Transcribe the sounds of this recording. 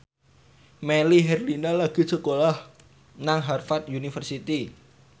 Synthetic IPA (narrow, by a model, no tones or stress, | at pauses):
meliɦɛrlinalaɡ̥i̤səkolah | naŋɦarfat̪̚junifərsit̪i